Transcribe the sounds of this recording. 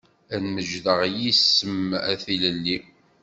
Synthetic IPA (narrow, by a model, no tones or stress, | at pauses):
ænməʒðəʁjisːəmæθiləlːi